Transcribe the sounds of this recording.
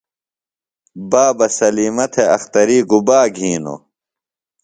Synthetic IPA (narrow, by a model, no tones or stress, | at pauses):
baːbɐsɐliːmɐt̪ʰeɐxt̪ɐɾiːɡubaːɡʱiːno̰